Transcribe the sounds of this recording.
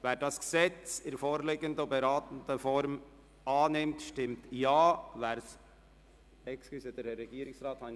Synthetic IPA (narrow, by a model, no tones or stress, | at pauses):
vɛːɾdɑsɡ̥sɛt͡sɪɾfoːɾleɡəndəobɛɾɑːtən̩dəfɔɾm | ɑːnɪmtʃtɪmtjɑːvæːɾs | ɛkskysəd̥ɛɾːɛɡ̥iːɾɪksɾɑːthɑ